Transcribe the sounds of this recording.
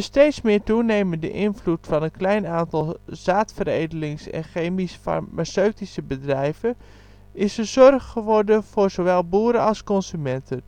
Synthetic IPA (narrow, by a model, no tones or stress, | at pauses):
əstejtsmɪːɹtunejməndə̰ʔɪnvlutfɑnənklɛjnaːntɑlˠz̥aːtfəɾḛjdəlɪŋsɛ̰nxejmisfa̰rmasøɥtisəbədrɛjvən | ɪsəzɔrχχəʋɔɹdənv̥ʊːrzoʋɛlˠbuːəɾəɑlˠskɔnsymɛntʰən